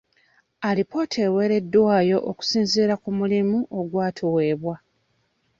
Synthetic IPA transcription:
alipo̞tʰewe̞ːɾe̞dːwaːjo̞ʔoku̥siːnziːɾakumulimuʔo̞ɡwaːtʰowe̞ːβwa

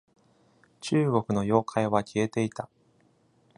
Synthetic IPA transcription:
t͡ɕɨːɡo̞kɯ̟no̞jo̞ːkʰaiβakʲʰie̞t̪e̞it̪a

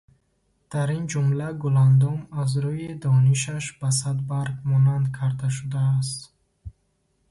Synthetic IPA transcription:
d̪̥aɾind͡ʒumlaɡuland̪ɔmazɾujid̪ɔniʃaʃb̥as̬ad̪baɾɡmɔnand̪kʰaɾd̪aʃ̬ud̪aːs̬t̪

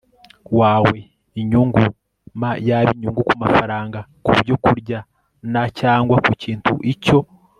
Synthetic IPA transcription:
waːwe̞ | iɲuŋɡu | majaβiɲuːŋɡukumafaɾaːŋɡakuβɟo̞kuɾɟa | nacaːŋɡwakuciːntʰṵʔico̞

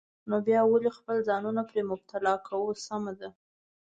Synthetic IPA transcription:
nobjɑwalexpəlzɑnunapɾemʊb̚t̪ʰalɑkʰawusamad̪a

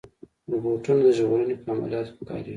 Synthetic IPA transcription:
ɾuboʈunod̪əʒɣoɾənepəama̰ljɑt̪o̥xə̥kɑ̰ɾii

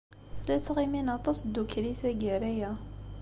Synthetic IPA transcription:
læt͡sːʁiminɑt̪ˤɑsd̪ukːɾiθæɡæɾæjæ

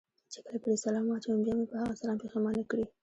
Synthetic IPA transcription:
t͡ʃekəlapəɽisalɑmɑt͡ʃabjɑmepəhaɣasalɑmpexamɑnakɽi

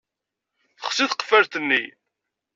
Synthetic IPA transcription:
θə̥χsiθqə̥fæɾθənːḭ

